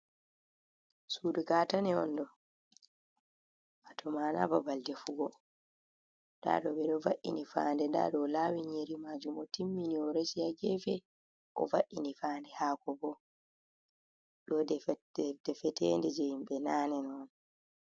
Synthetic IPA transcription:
suduɡaːtanɛɔ̰ndɔ | ʔatʰɔmaːna̰babaldɛfuɡɔ | nda̰ɗɔɓɛɗɔvaʔḭnifa̰ːndɛnda̰ɗɔlaːwiɲeɾimad͡ʒumɔtimːiniɔɾesijaɡɛfɛ | ʔɔ̰vaʔːinifaːndɛhaːkɔbɔ | ɗɔdɛdɛfɛtɛndɛd͡ʒɛjimɓɛnaːnɛnɔɔn

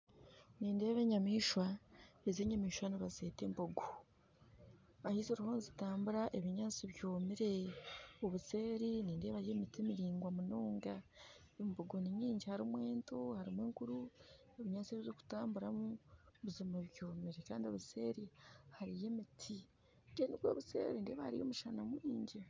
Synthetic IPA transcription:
niːnde̞ːβe̞ɲamiːʃwaezeːɲamiːʃwaniβazeːtemboɡo | βahizoɾuhoːnzitaːmbuɾaʔe̞βiɲaːt͡siβjo̞ːmiɾeoβuse̞ːɾiniːnde̞ːβaɾijemitimiɾiːŋɡwamunoːŋɡa | emboɡonimiːɲɟihaɾimwe̞ːntohaɾimweːŋkuɾu | e̞βiɲaːt͡siβiβoku̥taːmbuɾamuβuzimaβjo̞ːmiɾekaːndio̞βuse̞ɾihaɾije̞mitʰi | ndeniβɡo̰ːβusḛːɾinde̞ːβahaɾḭjo̞̰muʃanamwiːɲɟi

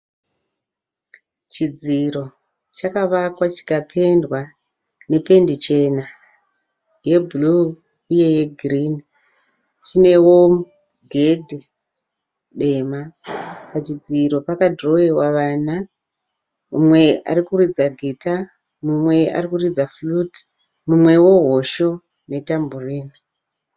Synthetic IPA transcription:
t͡ʃid͡ziro̞ | t͡ʃakaʋakwat͡ʃi̥kapʰe̞ndwa | ne̞pe̞ndit͡ʃe̞na | je̞bʱulu | uje̞je̞ɡʱrini | t͡ʃine̞wo̞ | ɡʱe̞dʱe | ɗe̞mapat͡ʃid͡ziɾo̞pakadro̞ewaʋaːna | umwe̞a̰ɾikuɾid͡zaɡʱeta | mumwe̞a̰rikurid͡zafluti̥ | mumwe̞wo̞ɦo̞ʃo̞ | ne̞tamburiːni

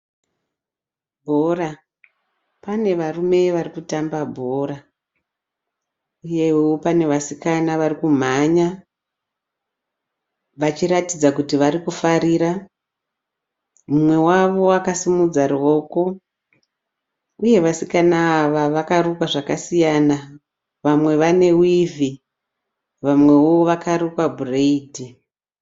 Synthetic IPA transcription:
bʱo̞ra | pane̞ʋarume̞ʋarikutambabʱoɾa | uje̞wewo̞pane̞ʋasikanaʋarikum̤aɲa | ʋat͡ʃiɾatid͡zakutiʋaɾikufaɾiɾa | mumwe̞waʋo̞akasimud͡zarwo̞ko̞ | uje̞ʋasikanaːʋaʋakarukwaʐakasijana | ʋamwe̞ʋane̞wivʱi | ʋamwe̞woʋakaɾukwabʱureidʱi

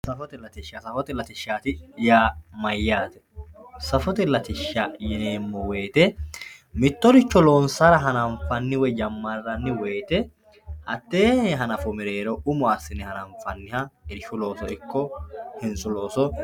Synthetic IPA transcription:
sɐfɔt̪ɛlɐt̪ɪʃːasɐfɔt̪ɛlɐt̪ɪʃːaːt̪ɪjaːmɐjːaːt̪ɛ̥sɐfɔt̪ɛlɐt̪ɪʃːajɛneːmːɔwe̞ːt̪ɛ | mɪt̪ːɔɾɪt͡ʃːɔlo̞ːnsɐɾɐɦɐnɐɱfɐnːɪwɛd͡ʒɐmːɐrːɐnːɪwe̞ːt̪ɛ | ʔɐt̪ːeːɦɐnɐfʊmɪɾeːɾɔʊmɔɐsɪnɛhɐnɐɱfɐnːɪhɐɛɾʃʊlo̞ːsɔɪkːɔhɪnsʊlo̞ːsɔ

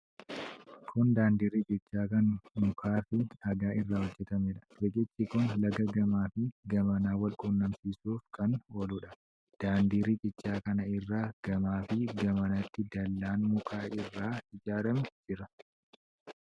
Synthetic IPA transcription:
kʰʊnd̪aːnd̪iːɾiːt͡ʃʼɪt͡ʃːaːkɐnmʊkʰaːfɪɐɡaːɪrːaːwɔd͡ʒːɛt̪ɐmeᶑɐ̥bekʼɪt͡ʃːɪkʊnlɐɡɐɡɐmaːfɪɡɐmɐnaːwɐlkʼuːnːɐmsiːsuːfkɐnwɔlʊᶑɐ | d̪̥aːnd̪iːɾiːt͡ʃʼɪt͡ʃːaːkɐnɐɪrːaːɡ̥ɐmaːfɪɡɐmɐnɐt̪ːɪd̪ɐlːaːnmʊkʰaːɪrːaːɪd͡ʒaːɾɐmɛd͡ʒɪɾɐ

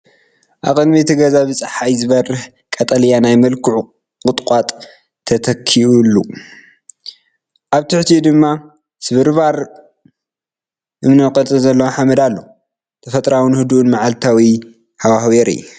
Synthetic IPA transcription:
ʔakʼɨnbet̪ʰiɡɐzaβɨt͡sʼħajzɨβɐrɨh | kʼɐt̪ʼɐlijanajmɐlkʰuʕu | qʼɨt̪ʼkʼat̪ʼ | t̪ʰɐt̪ʰɐkʰːiulːu | ʔaβt̪ʰɨħt̪ʰid̪ɨmːa | sɨβɨɾβaɾ | ʔɨmnɐkʼɐt̪ʼɨzɐlːɐwħamɐd̪alːo̰ | t̪ʰɐfɐt̪ʼɾawɨnhɨd̪uʔunmaʕalt̪ʰawi | hawahweɾḭj

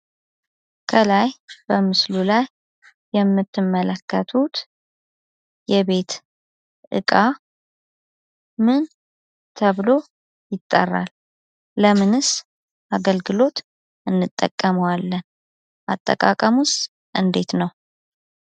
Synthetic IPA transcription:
kʰəlajb̥əmɨslulajː | ɛmːɨt̪ʰːɨmːələkːət̪ʰut̪ | jɛβe̞t̪ | ʔɨ̰kʼa | mɨn | t̪ʰəβlo̞ | jɪt̪ʼːə̰rːa̰lː | əmɨnɨs | ʔaɡəlɡɨlo̞t̪ | ʔɨnːɨt̪ʼːə̰kʼːəməwalːən | ʔat̪ʼːə̰kʼakʼəmʊst̪ | ʔɨnd̪e̞t̪nəw

